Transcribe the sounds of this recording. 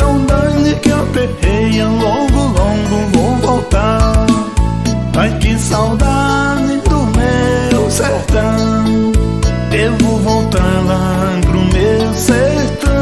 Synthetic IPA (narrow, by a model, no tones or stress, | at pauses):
ewd̪ɐ̃ɲɪkɪewpehejɐlɔɡʊlõɡʊvowvowt̪aɾ | ajkɪsawd̪a | ɾnɪd̪ʊmewseht̪ɐ̃ | ewvowvowt̪aɾla | ɡɾʊmewseht̪ɐ